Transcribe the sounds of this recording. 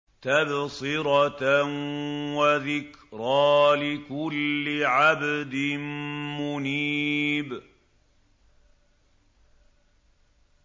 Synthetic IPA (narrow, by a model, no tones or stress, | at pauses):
t̪absɪɾɑnwaðɪkɾˤɑːlɪkʊlːɪʕabd̪ɪmmʊniːb